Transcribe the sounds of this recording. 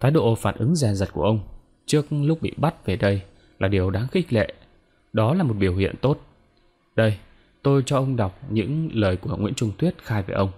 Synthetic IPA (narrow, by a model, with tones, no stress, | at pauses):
t̪ʰaː˨˦jɗo̰˧˨faː˧˩nʔɨ˨˦ŋzɛ˨˩zə˨˩t̚ku˧˩əʔə˧wŋ͡m | t͡ɕɨ˦˥ək̚lʊ˦˥k͡p̚ɓḭ˧˨ɓa˦˥t̚ve˨˩ɗə˧j | laː˨˩ɗi˨˩əwɗaː˨˦ŋxi˦˥k̚lḛ˧˨ | ɗɔ˨˦laː˨˩mo˨˩t̚ɓi˧˩əwhḭ˧˨ənt̪o˦˥t̚ | ɗə˧j | t̪o˧jt͡ɕɔ˧ʔə˧wŋ͡mɗa˨˩wk͡p̚ɲɨ̰˧˥ŋləː˨˩jku˧˩əŋwḭ˧˥ənt͡ɕʊ˧ŋ͡mt̪ʰwi˦˥ət̚xaː˧jve˧˩ʔə˧wŋ͡m